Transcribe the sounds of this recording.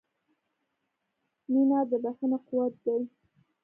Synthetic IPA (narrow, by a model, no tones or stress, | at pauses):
ninɑd̪əbaxənaquwat̪̚d̪aj